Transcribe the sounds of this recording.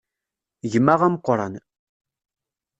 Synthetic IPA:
ʝəmaʁamqʷʊɾˤɑn

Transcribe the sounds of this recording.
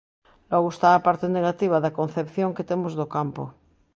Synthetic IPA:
loɣoest̪aːpaɾt̪eneɣ̞at̪iβ̞aðakon̟θepθjoŋket̪emozðokampo̰

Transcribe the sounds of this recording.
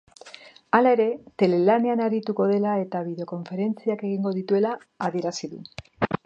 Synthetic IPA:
alae̞ɾe̞t̪e̞le̞laneanaɾit̪uko̞ð̞e̞lae̞t̪aβiðe̞oko̞ɱfe̞ɾe̞nt͡siake̞ɣ̞iŋɡo̞ðit̪ue̞laː | ðie̞ɾasiðṵ

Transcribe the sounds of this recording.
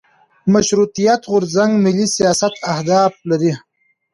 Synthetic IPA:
maʃɾut̪ijat̪ɣʊɾzaŋɡmɪlːisijjɑsat̪ʰahd̪ɑːflaɾi

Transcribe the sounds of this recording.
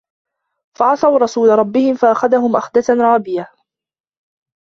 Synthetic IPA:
faʕɑsˤɑwɾˤɑsuːlaɾˤɑbːɪhɪmfaʔaxaðahʊmʔaxd̪at̪anɾˤɑːbɪja

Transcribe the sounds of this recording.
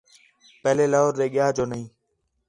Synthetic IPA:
pɛɦleːləːɦoːɾd̪eːɠɪjaːd͡ʒoːnəɦĩː

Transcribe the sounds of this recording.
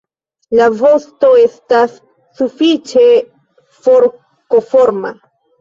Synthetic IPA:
lavo̞sto̞e̞stasː | ufit͡ʃe | foɾ | kofoɾma

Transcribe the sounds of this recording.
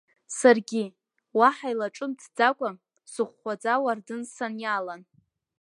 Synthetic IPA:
sarɡʲi | waħajlaʈ͡ʂʼɨmdʰd͡zakʷʼa | sɨχʷːad͡zawardɨnsanjalan

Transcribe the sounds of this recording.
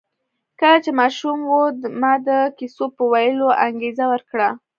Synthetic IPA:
kəlat͡ʃemɑʃumwumɑd̪əkisopəwajəloʔaŋɡezawəɾkɽa

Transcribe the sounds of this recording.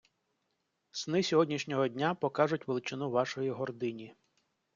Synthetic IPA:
snɪsʲɔɦɔdʲnʲiʃnʲɔɦɔdʲnʲapɔkɑʐʊtʲʋelˠɪt͡ʃɪnuʋɑʃɔjiɦɔrd̪ɪnʲi

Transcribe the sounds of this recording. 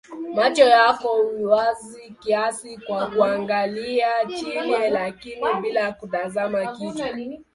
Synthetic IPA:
mat͡ʃɔjakɔiwazikiasikwakuaŋɡaliat͡ʃiɲɛlakiniɓilaakutazamakit͡ʃa

